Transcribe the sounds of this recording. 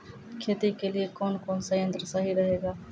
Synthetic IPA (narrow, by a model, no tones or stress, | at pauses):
kʰet̪ikeliekoːnkoːnsəjə̃nt̪ɾəsəɦiɾəɦeɡaː